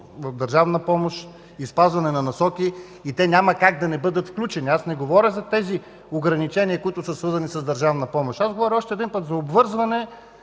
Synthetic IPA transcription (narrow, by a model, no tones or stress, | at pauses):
vɐfd̪ɐɾʒavnəpɔmoʃ | ispazvɐnɛnɐnɐsɔkiː | t̪ɛnʲamɐkaɡ̚d̪ɐnɛbɤd̪ət̪fklʲut͡ʃɛniasnɛɡovɔɾʲəɣzɐt̪ɛzi | oɡɾɐnit͡ʃɛniəkoʊit̪ʊsəsvɤɾzɐnisɐzd̪ɐɾʒavnɐpɔmoʃazɡovɔɾʲɔʃt̪ɛd̪inpət̪zɐobvɤɾzvɐnɛ